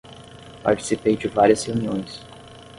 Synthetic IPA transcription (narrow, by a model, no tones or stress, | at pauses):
pa̰ɾt͡ʃi̥sipejd͡ʒɪvaɾiɐsheuniõj̃s